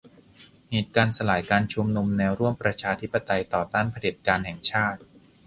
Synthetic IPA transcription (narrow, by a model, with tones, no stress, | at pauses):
heː˨˩t̪̚kaː˧nsa˧laː˩˦jkaː˧nt͡ɕʰu˧mnu˧mnɛː˧wɾu˥˩əmpɾa˧t͡ɕʰaː˧t̪ʰi˦˥pːa˧t̪a˧jt̪ɔː˨˩t̪aː˥˩npʰa˧di˨˩t̪̚kaː˧nhɛ˨˩ŋt͡ɕʰaː˥˩t̪̚